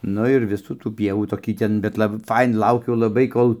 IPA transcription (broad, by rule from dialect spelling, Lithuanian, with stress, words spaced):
ˈnʊ ɪr ˈʋʲɪsuː tuː ˈpʲiɛʋuː toːˈkʲiː ˈtʲɛn bʲɛt ˈlˠɑːbɐɪ ˈfɐɪnɐ ˈlˠɐʊkʲʊ lˠɐˈbɐɪ ˈkoːlˠ